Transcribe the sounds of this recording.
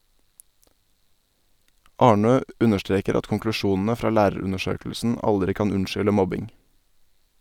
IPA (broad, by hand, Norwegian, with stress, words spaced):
ˈɑːɳøː ˈʉnəʃˌtɾeːkəɾ ˈɑt kɔŋklʉˈʃuːn̩ə ˈfɾɑː ˈlæːɾəˌɾʉnəˌʃøːkəlsn̩ ˈʔɑldɾɪ ˈkɑːn ˈʉnʃʏlə ˈmɔbɪŋ